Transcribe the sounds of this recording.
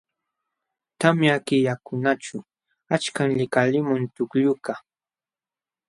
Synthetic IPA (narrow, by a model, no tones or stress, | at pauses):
t̪amjakɪjakʊnat͡ʃʊ | at͡ʃkaŋʎɪkalɪmʊnt̪ʊkʎʊka